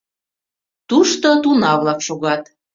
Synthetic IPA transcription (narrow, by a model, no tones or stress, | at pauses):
t̪uʃt̪ot̪unɑβlɑkʃoɣɑt̪